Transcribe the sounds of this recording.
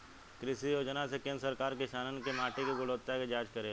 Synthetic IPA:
kɾɪʃijoːd͡ʒnasekẽːnɾsəɾkaːɾkɪʃaːnənkemaːʈikeɡʊloːt̪jaked͡ʒaːt͡ʃkɐɾe

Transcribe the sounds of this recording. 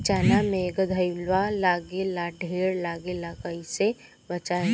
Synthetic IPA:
t͡ʃaːnamẽɡəd̪ʱəjlʋalaːɡelaɖʱeːɾlaːɡelaːkaise | bɐt͡ʃa

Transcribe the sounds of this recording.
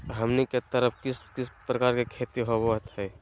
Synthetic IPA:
ɦəmneket̪əɾəpʰkɪskɪspɾəkaːɾkekʰet̪iɦobot̪ɦɛː

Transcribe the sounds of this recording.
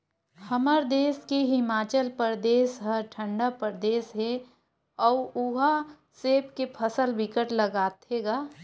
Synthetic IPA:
həməɾd̪eːskeɦɪmaːt͡ʃəlpəɾd̪eːsɦəɾʈʰə̃ɳɖapəɾd̪eːsɦe | ɔːuɦa | seːpkepʰəsəlbɪkəʈləɡaːt̪ʰeɡaː

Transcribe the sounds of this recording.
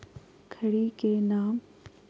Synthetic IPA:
kʰəɽikenaːm

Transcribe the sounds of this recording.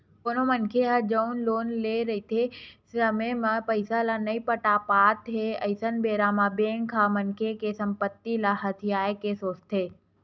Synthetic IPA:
koːnomənkʰeɦəd͡ʒəʊnloːnleɾɐɦit̪ʰesəmemãpəɪsalanɐipəʈapaːt̪ɦeɐɪsənbeːɾaːmabeːŋkʰamɐnkʰekesɐ̃mpət̪ːilaɦɐt̪ʰijaːekesoːt͡ʃt̪ʰeː

